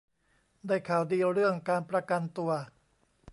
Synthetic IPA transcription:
daː˥˩jkʰaː˨˩˦wdiː˧ɾɯ˥˩əŋkaː˧npɾa˧ka˧nt̪u˧ɐ

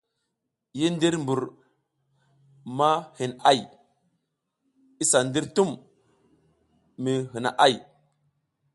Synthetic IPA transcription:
ji˦n˦di˦ɾmbu˨ɾ | ma˦hi˨na˦j | i˦sa˨ndi˦ɾtu˦m | mi˨ɦi˨na̰˨ʔa˦j

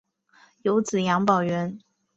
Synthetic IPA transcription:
jo˧˥ʊt͡sɹ̩˨˩jɑ˧˥ŋpɑ˨˩ʊɥɛ˧˥n

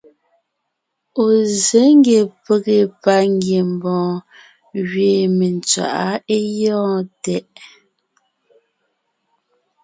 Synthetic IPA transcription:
o˨ze˨˦ŋ˦ɡe˨pe˨ɣe˨pa˦ŋɡje˨m̩˨bɔ̃ː˨ | ɣɥeː˨me˨nt͡swa̰˨ʔa˦e˦jɔ̃ː˦tɛ˦ʔ

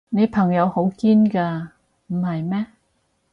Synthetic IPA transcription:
ne˨˧jpʰɐ˨˩ŋjɐ˨˧who˨˥wkiː˥nkaː˧ | m̩˨˩hɐ˨jmɛː˥

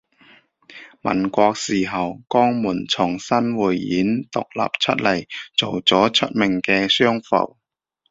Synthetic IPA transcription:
mɐ̰˨˩nkʷɔː˧k̚siː˨˩ɦɐ˨wkɔː˥ŋmuː˨˩nt͡sʰʊ˨˩ŋsɐ˥nwuː˨jːiː˨˥nt̪ʊ˨k̚la̰ː˨p̚t͡ʃʰɵ˥t̚lɐ˨˩jt͡so˨wt͡sɔː˨˥t͡ʃʰɵ˥t̚mɪ˨˩ŋkɛː˧sœː˥ŋfɐ̰˨˩w

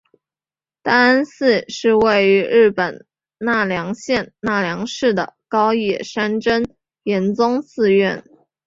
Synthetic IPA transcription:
t̪a˥˧a˥nsɹ̩˥˧ʂɻ̩˥˧we˥˩ɪy˧˥ɻɻ̩˥˩pə˨˩n | na˥˩ljɑ˧˥ŋɕjɛ˥˧nna˥˩ljɑ˧˥ŋʂɻ̩˥˩d̪ə̰˩kɑ˥ʊjɛ˨˩ʂa˥nʈ͡ʂə˥n | jɛ˧˥nt͡sʊ˥ŋsɹ̩˥˧ɥɛ˥˩n

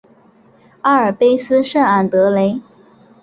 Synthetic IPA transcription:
a˥ə˞˨˩pe˥ɪsɹ̩˥ʂə˥˩a˨˩nt̪ɤ˧˥le˧˥ɪ

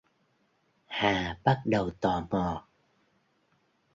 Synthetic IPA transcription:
haː˨˩ɓa˦˥t̚ɗə˨˩wt̪ɔ˨˩mɔ˨˩

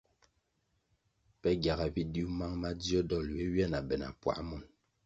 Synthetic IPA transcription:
pɛ˦ɡja˨ɣa˨bi˦di˦ma˦ŋma˦di˦ɔ˦dɔ˦˨lwɛ˦ɥjɛ˦˨na˨bɛ˨na̰˨pwa̰˨˦mɔ˨n

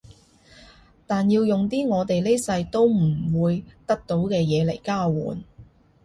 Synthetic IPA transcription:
t̪aː˨njiː˧wjʊ˨ŋt̪iː˥ŋɔː˨˧t̪e˨jle˥jsɐ˧jt̪o˥wm̩˨˩wuː˨˧jt̪ɐ˥k̚t̪o˨˥wkɛː˧jɛː˨˧lḛ˨˩jkaː˥˩wṵː˨˩n

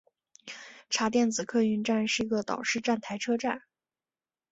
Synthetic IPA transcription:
ʈ͡ʂʰa˧˥t̪jɛ˥˩nt͡sɹ̩˨˩kʰɤ˥˧y˥nʈ͡ʂa˥˧nʂɻ̩˥˩i˧˥ɡə˧t̪ɑ̰˨˩ʊʂɻ̩˥˧ʈ͡ʂa˥˩nt̪ʰa˧˥ɪʈ͡ʂʰɤ˥ʈ͡ʂa˥˩n

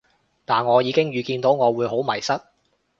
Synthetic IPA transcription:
t̪aː˨nŋɔː˨˧jiː˨˧kɪ˥ŋjyː˨˧kiː˧nt̪o˨˥wŋɔː˨˧wuː˨˧jɦo˨˥wmɐ˨˩jsɐ˥t̚

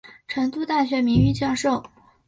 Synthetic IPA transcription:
ʈ͡ʂʰɤ˧˥ŋt̪u˥˧t̪a˥˩ɕɥɛ˧˥mi˧˥ŋy˥˧t͡ɕjɑ˥˧ŋʂo˥˩ʊ

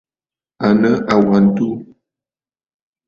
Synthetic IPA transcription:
a˨nə˦ʔa˨wa˨n˦˨tu˦

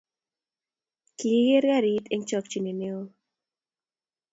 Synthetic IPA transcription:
ki˦ɡe˦ɾɡa˦ɾi˨t̪e˦ŋt͡ʃɔ˧k̚t͡ʃi˨ni˨neo˦

